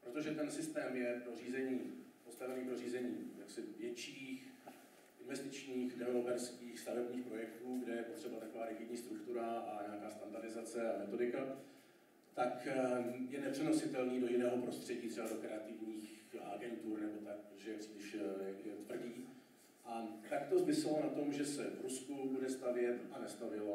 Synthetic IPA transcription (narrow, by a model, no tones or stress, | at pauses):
pɾo̞t̪o̞ʒɛt̪ɛnsɪst̪ɛːmjɛpɾo̞riːzɛɲiːpo̞st̪avɛniːpɾo̞riːzɛɲiːjaksɪvjɛt͡ʃiːx | ʔɪnvɛst̪ɪt͡ʃɲiːxdɛvɛlopɛɾskiːxst̪avɛbɲiːxpɾo̞jɛkt̪uːɡdɛjɛpo̞t̪r̥ɛbat̪akovaːɾɛɡɪdɲiːst̪ɾukt̪uɾaaɲɛakaːst̪andaɾdɪzat͡sɛamɛt̪o̞dɪka | t̪ak | jɛnɛpr̝̥ɛnosɪt̪ɛlniːdojɪnɛːɦo̞pɾo̞st̪r̝̥ɛɟiːt̪rɛbado̞kɾɛat̪ɪvɲiːxa̰ɡɛnt̪urnɛbo̞t̪ak̚ʒɛjɛpr̥iːlɪʃjɛot̪vr̩ɟiː | ʔat̪akt̪o̞zmɪsɛlonat̪o̞mʒɛsɛvɾuskubudɛst̪avjɛt̪ʔanɛst̪avjɛla